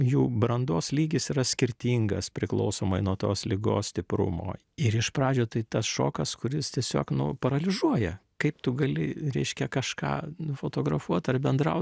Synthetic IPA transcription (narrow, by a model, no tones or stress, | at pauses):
juːbɾɐnd̪oːslʲiːɡʲɪsiɾɐsʲkʲɪɾʲt̪ʲiːŋɡɐspʲɾʲɪkl̰ˠʊsoːmɐɪnuɔt̪oːslʲɪɡo̰ːssʲt̪ʲɪpɾʊ̰mo̰ː | ɪɾɪʃpɾɑːd͡ʒʲoːt̪ɐɪt̪ɐsʃo̰ːkɐskʊɾʲɪst̪ʲiɛsʲo̰ːknʊ̰pɐɾɐlʲɪzuɔjɛkɐɪpt̪ʊɡɐlʲɪɾʲɛɪʃʲkʲɛkɐʃkɑ̰ːnʊfoːt̪oːɡɾɐfuɔt̪ɐrbʲɛnd̪ɾɐ̰ʊt̪